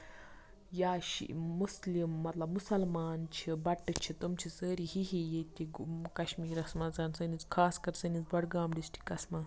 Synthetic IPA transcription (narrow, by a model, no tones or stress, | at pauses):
jaːɕḭːuslimːɐt̪lɐbmusɐlmaːnt͡ʃʰibɐʈːət͡ʃʰit̪umt͡ɕʰisəɾihiɦijet̪ʲiɡukɐɕmiːɾɐsmad͡zaːnsənit͡skʰaːskɐɾsənit͡sbɐɽɡaːmɖisʈi̥kɐsma